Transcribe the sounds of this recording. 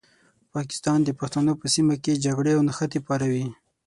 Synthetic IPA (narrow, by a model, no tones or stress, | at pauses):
pɑkɪ̥st̪ɑnd̪əpaxt̪anopəsimaked͡ʒaɡɽeawnaxat̪epɑɾawi